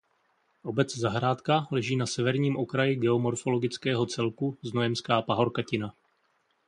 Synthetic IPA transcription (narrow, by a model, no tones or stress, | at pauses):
ʔo̞bɛt͡szaɦɾaːt̪kalɛʒiːnasɛvɛɾɲiːmʔokɾajɪɡɛo̞mo̞ɾfo̞lo̞ɡɪt͡skɛːɦo̞t͡sɛlkuznojɛmskaːpaɦo̞ɾkacɪna